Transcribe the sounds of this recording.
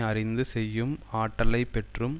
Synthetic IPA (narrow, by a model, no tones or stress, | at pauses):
ɐrɪnd̪ɯsɛjːɯmaːʈːɐlɐɪpːɛʈrɯm